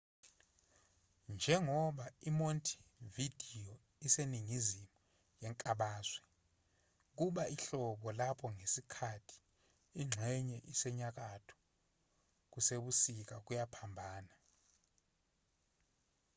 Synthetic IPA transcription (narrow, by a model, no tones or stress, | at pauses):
nd͡ʒʱɛŋɔɓaimontʰi̥vid̥ʱijɔ | iseniŋizimu | jɛŋkʼaɓaːzwɛ | k̬uɓaiɬɔɓɔlapʰɔŋesikʰatʰi̥ | iŋ͡ǁʱɛɲɛʔisɛɲak̬atʰɔ̥ | k̬useɓusik̬ak̬ujapʰambʱaːna